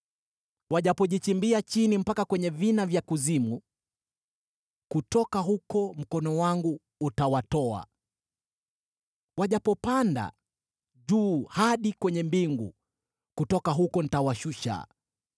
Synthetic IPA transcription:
waʄapɔʄit͡ʃimbiat͡ʃinim̩pakakwɛɲɛvinavjakuzimu | kutɔkaɦukɔm̩kɔnɔwaŋɡuː | tawatɔa̰ | waʄapɔpanda̰ | ʄuːhaɗikwɛɲɛmbiŋɡṵ | kutɔkaɦukɔnitawaʃuʃa̰

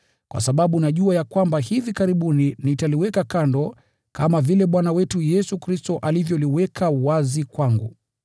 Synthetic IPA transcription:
kwa̰saɓaɓunaʄuajakwambahivikaɾiɓuninitaliwɛkakandɔ | kʰamavilɛɓwanawɛtujɛsukɾistɔʔalivjɔliwɛkʰawazikwaŋɡṵ

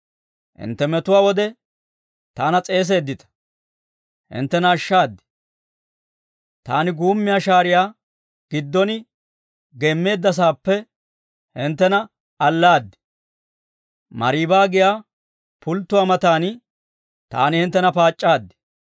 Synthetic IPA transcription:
hɪ̰nt̪ːɛmɛt̪ʊwaːwɔd̪ɛ | t̪aːnɐt͡sʼe̞ːs̬e̞ːd̪ːɪt̪ɐ̥ | hɪ̰nt̪ːɛnɐːʃːaːd̪ːɪ̥ | t̪a̰ːnɪɡuːmːɪjaːʃaːɾɪjaː | ɡ̥ɪd̪ːɔnɪ | ɡemːe̞ːd̪ːɐs̬aːpːɛ | hɪnt̪ːɛnɐ | ɐlːaːd̪ːɪ̥ | mɐɾiːbaːɡɪjaː | pʊlt̪ːʊwaːmɐt̪aːn | t̪a̰ːnɪhɪnt̪ːɛnɐpaːt͡ʃʼːaːd̪ːɪ̥

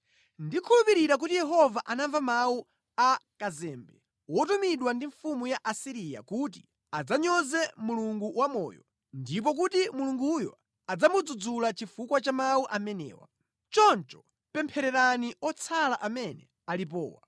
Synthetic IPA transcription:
ndikʰulupiɾiɾak̬utijɛɦɔvaʔanaɱvamawu | akazɛːmbɛ̰ | wɔtumiɗwandiɱfumujaʔasiɾija̰kut̬i | ad͡zaɲɔzɛmuluŋɡuwamɔ̰ːjɔ̰ | ndip̬ɔk̬utimuluŋɡujɔ̰ | ad͡zamud͡zud͡zulat͡ʃifukwat͡ʃamawuʔamɛnɛ̰ːwa̰ | t͡ʃɔnt͡ʃɔ̥ | pɛmpʰɛɾɛɾaniɔt͡sʰalaʔamɛnɛ̰ | alip̬ɔːwa̰

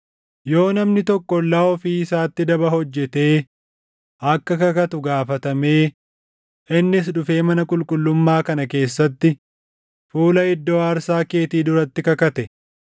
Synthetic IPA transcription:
jo̞ːnɐmnɪt̪ɔkːɔlːaːɔfiːɪsaːt̪ːɪd̪ɐbɐɦɔd͡ʒːɛt̪e̞ː | ʔɐkːɐkɐkɐt̪ʊɡaːfɐt̪ɐme̞ː | ʔɪnːɪs̬ᶑʊfe̞ːmɐnɐkʼʊlkʼʊlːʊmːaːkɐnɐke̞ːsːɐt̪ːɪ | fuːlɐɪd̪ːoːɐɾsaːke̞ːt̪iːd̪ʊɾɐt̪ːɪkɐkɐt̪ɛ

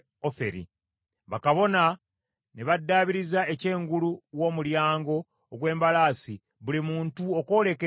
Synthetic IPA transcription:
ofe̞̰ɾḭ | βakaβo̞na | neβadːaːβiɾizae̞ce̞ːŋɡuluwo̞ːmuljaːŋɡo̞ː | ɡwe̞ːmbalaːsi | βulimuːntuo̞ko̞ːle̞ke

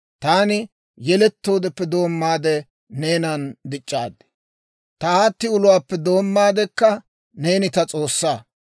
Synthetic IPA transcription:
t̪aːnɪ | jɛlɛt̪ːo̞ːd̪ɛpːɛd̪o̞ːmːaːd̪ɛ | neːnɐnd̪ɪt͡ʃʼːaːd̪ɛ̥ | t̪ɐaːt̪ːɪʊlʊwaːpːɛd̪o̞ːmːaːd̪ɛkːɐ | ne̞ːnɪt̪ɐt͡sʼo̞ːsːaː

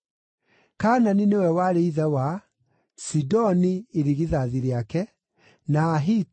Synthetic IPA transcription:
kaːnaninewɛwaɾeiðɛwa | sidɔnieɾiɣiðaðiɾeakɛ | naɦi

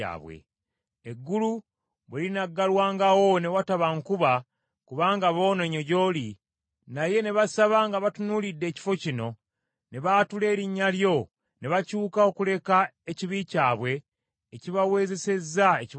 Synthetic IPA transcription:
a̰ːβwḛ | eɡːulu | βwelinaɡːalwaːŋɡawo̞ne̞wataβaŋkuβa | kuβaːŋɡaβo̞ːne̞ɲo̞ɟo̞li | naje̞ne̞βasaβaŋɡaβatunuːlidːe̞ːci̥fo̞cino̞ | ne̞βatule̞ːɾiɲːaljo̞ | ne̞βacuːkao̞kule̞kae̞ciβicaːβwe̞ː | ciβawe̞ːze̞se̞zaeci

